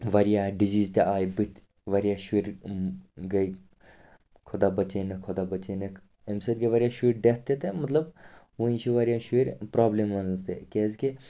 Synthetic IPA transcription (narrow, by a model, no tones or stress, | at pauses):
ʋɐɾijaːɖiziːzt̪eaːjbit̪ | ʋɐɾʲjaːʃiɾʲ | ɡɐj | kʰod̪aːbɐt͡ʃenɐkʰod̪abɐt͡ʃenɐk | emsɐt̪̚ɡɐʋɐɾʲjaʃuɾʲɖet̪ːet̪emɐt̪ləb | ʋuĩnt͡ʃʰiʋɐɾjaːʃiɾʲpɾaːblemʋɐnzt̪ḛkeːzki